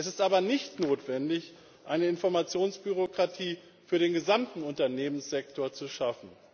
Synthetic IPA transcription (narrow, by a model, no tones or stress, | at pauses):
ʔɛsɪstʔaːbɐnɪçtnoːtv̥ɛndɪç | ʔaɪnəɪnfɔɐmat͡sjoːnsb̥yʁ̞okʁ̥atʰiː | fyːɐɾeːnɡəzamtn̩ʊntɐneːmənsz̥ɛk̚tʰoːɐt͡suʃafn̩